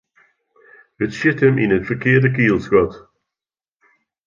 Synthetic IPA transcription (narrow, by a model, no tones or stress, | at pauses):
ətʃɪtəmʔɪ̰̃nəfəkʰɪːdəkiːlˠsɹɔt